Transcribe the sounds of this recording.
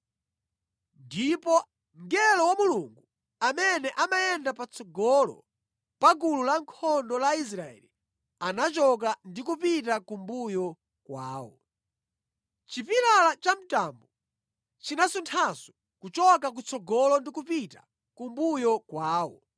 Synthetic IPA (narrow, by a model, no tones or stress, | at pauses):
ndipɔ | ŋɡɛlɔwamuluŋɡu | amɛnɛʔamajɛndapat͡sʰɔɡɔlɔ̰ | pak̬ululaŋkʰɔndɔlais̬ɾaɛ̰li | anat͡ʃɔk̬andikupitakumbujɔ | kwaːwɔ | t͡ʃipiɾalat͡ʃam̩taːmbu | t͡ʃinasuntʰasu̥ | kut͡ʃɔkak̬ut͡sɔɡɔlɔndikupita̰ | kumbujɔkwaːwɔ̰